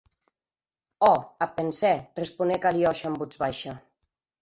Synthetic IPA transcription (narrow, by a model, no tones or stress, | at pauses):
ɔapensɛrespunekaliɔʃambud͡zβajʃa